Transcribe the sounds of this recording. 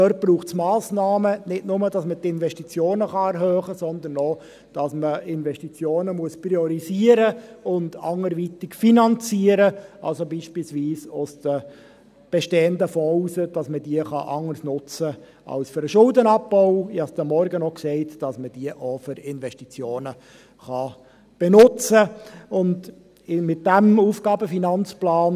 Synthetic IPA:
øːrt̚b̥ɾuːχtsmɑːsnɑːmənɪtnʊmədɑsmətɪnvɛʃtit͡sjoːnəχɑɛɾɦøːχəsɔnd̪ən̩ɔ | d̥ɑsməɪnvɛʃtit͡sjoːnəmuəspɾiɔɾisiːəɾəʊndɑ̰ŋəɾʋit̪ɪkfinɑnt͡siəɾəʔɑ̰lsobiːʃpilsʋiːsʊsd̥ə | b̥eʃteːəndəfɔusəd̥ɑsmədiəχɑ̰ʔɑŋəɾsnʊt͡sə | ʔɑ̰lsføɾəʃʊldənɑpbɔʊɪhɑsd̥̪əmɔɾɡənɔksɛɪtd̥ɑsməd̥iəʔofʏɾɪnvɛʃtit͡sjoːnə | χɑ | b̥enʊt͡səʊnd | ɪmɪt̚d̥æmuːfɡ̥ɑːbəfinɑnt͡splɑːn

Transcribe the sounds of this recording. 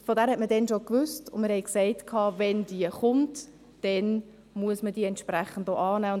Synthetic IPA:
fodæːɾhɛtmədɛnʃokʋʏstʊnməɾhɛɪksɛɪtkʰɑːvɛnd̥iəχʊnt | d̥ɛn | muəsməd̥iːəɛntʃpræχən̩doʔɑːnæːʊn

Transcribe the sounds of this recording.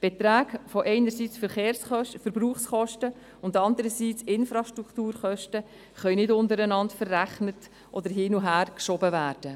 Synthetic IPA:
b̥et̪ɾæːkfoʔɛɪnəɾsit͡sfəɾχeːɾsχœfəɾb̥ruːχsχɔʃtə | ʊndɑndəɾəsiːt͡sɪnfɾɑʃtɾuktuːɾχœʃtə | χœʏnɪdʊndəɾənɑntfərːæχnət | ʔɔdəɾɦiːnuɦæːɾkʃɔbəvæːɾd̥ə

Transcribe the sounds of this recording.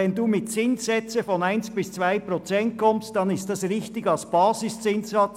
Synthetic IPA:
ɛnduːmɪtt͡sɪnsɛt͡səfɔnaɪnsb̥ɪst͡svaɪpʁɔt͡sɛnt̚kʰɔmst̚d̥ɑnɪstdɑsʁɪçttɪɡɑlsb̥ɑːsɪst͡sɪnsɑt͡s

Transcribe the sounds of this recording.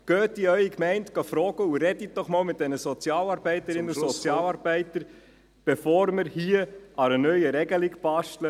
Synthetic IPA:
ɡ̥øːt̚d̥iœʏikmɛɪntɡ̥ɑfɾɔːɡəuɾɛdit̚d̥ɔχmɑːlmɪt̚d̥ɛnəsɔt͡sjɑːlɑːɾbɛɪtəɾɪnəussɔt͡sjɑːlɑːɾbɛɪtəɾ | b̥ɛfɔːɾməɾhiəɑɾənœʏəɾɛɡəlɪkb̥ɑʃtlə

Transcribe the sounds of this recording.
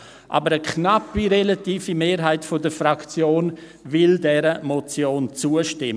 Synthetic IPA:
ʔa̰bəɾəkʰnapːiɾelatiːfimeːɾɦaɪtfodəfɾakt͡sjoːn | vɪldɛɾəmɔt͡sjoːnt͡suəʃtɪm

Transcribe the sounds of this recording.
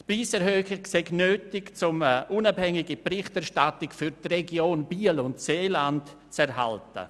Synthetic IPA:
tpɾiːsɛɾɦøːχɪkseɡnøːtɪkt͡sʊməʔunabhɛŋiɡipɾɪχtɛɾʃtatɪkfyɾtreɡjoːnb̥iːəlʊntseːlant | t͡sɛɾɦa̰ltə̰

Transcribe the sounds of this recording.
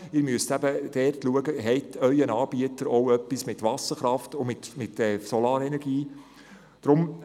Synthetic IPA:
ɪɾmyəstæbəd̥ɛrtluəɡəɦɛɪtʰœʏənɑːb̥iətəɾɔwœpːismɪtʋɑsəχɾɑftʊmɪtmɪtɛːsɔlɑːɾɛnɛɾɡ̥iː | d̥ɾʊm

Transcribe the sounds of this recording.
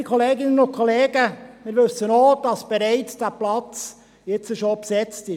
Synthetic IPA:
ikʰoleːɡɪnənʊntkʰoleːɡ̥əmɪːɾʋɵsːənoːd̥ɑsb̥ɛɾɛɪt͡sd̥æplɑt͡s | jɪt͡səʃopsɛt͡stɪ

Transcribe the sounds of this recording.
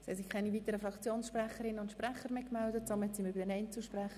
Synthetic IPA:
si̥ɛsɪkʰɛɪnivitəɾəfɾɑkt͡sjoːnsʃprɛχəɾɪnːəʊntʃprɛχəɾmɪkmɛldət͡sɑmːət͡simybəd̥ɛnɛɪnt͡suʃprɛχə

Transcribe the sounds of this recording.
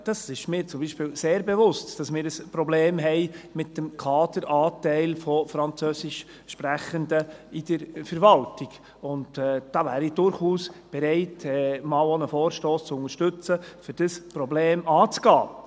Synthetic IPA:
d̥ɑsɪʃmɪːɾt͡sʊmbiːʃpɪːlseːɾbevʊstd̥ɑsmɪːɾəspɾɔbleːmɦɛɪmɪtːəmkʰɑːdəɾʔɑːtɛɪlfɔfɾɑnt͡søːsɪʃ | ʃpɾæχəndəɪd̥əɾfəɾʋɑltɪɡ | ʊntɛd̥ɑːvæːɾid̥ʊɾχuːsb̥ɛɾɛɪtɛmɑːlonəfoːɾʃtoːst͡sʊŋəʃtɵt͡səfʏɾd̥əspɾɔbleːmɑːt͡sɡ̥ɑː

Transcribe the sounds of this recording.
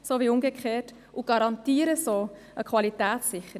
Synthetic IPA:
soʋiʊmɡəkχeːt | uɡ̥ɑɾɑntiːɾəsoː | əkʰʋɑlitæːt̪sːɪχə

